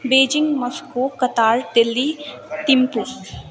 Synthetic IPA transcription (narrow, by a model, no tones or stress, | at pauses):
beːd͡ʒɪŋɡmɐskokɐt̪aːɾd̪ɪlːi | t̪impu